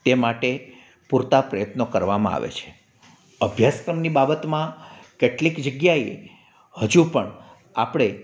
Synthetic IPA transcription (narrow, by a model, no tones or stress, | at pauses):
t̪emaʈe | puɾt̪apɾəjət̪nokəɾʋamã̰a̰ʋḛt͡ʃʰe̥ | əbʱjaskɾəmnibabət̪mãkeʈlikd͡ʒəɡjae | həd͡ʒũpəɳ | apɽ̃e